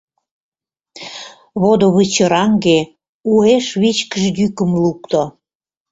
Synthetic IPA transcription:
βod̪oβɨt͡ɕəɾɑŋɡe | ueʃβit͡ɕkəʒj̪ykə̆mlukt̪o

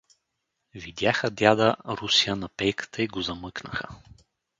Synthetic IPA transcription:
vid̪ʲjaxəd̪ʲjad̪əɾusiənɐpɛjkə̥t̪ʰəiɡozɐmɤknə̰xə̰

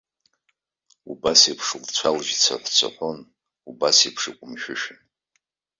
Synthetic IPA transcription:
ubasipʰʂɨlt͡sʷʰalʒt͡sʷʰa̰ħʷt͡sʷʰa̰ħʷon | ubasipʰʂikʷʼʊmʃᶣʊʃᶣɪn

